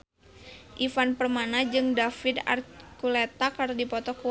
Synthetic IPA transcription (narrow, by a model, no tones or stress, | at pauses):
ʔifanpərmanad͡ʒɨŋdafɪd̪a̰rkulɛt̪akardipɔt̪ɔku